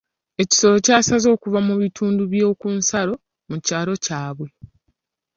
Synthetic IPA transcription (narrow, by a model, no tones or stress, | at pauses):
e̞ci̥so̞lo̞caːsazo̞ːkuvamuβitʰuːnduβjo̞ːkunsaɾo̞ | mucaːlo̞caːβwe̞